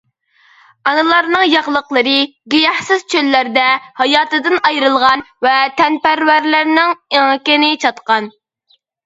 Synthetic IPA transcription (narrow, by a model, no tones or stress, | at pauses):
ɑnɨlˠɑɾnɨŋjɑʁlˠəqlˠəɾɨ | ɡʲejɑhsɨz̥t͡ʃʰølːæɾd̪ɛhɑjɑːt̪ɨd̪ɨnɑjɾɨlˠʁɑnvɛt̪ʰɛnpæɾwæɾlɪɾnɪŋiŋkʲɪnɪt͡ʃʰɑt̪qɑn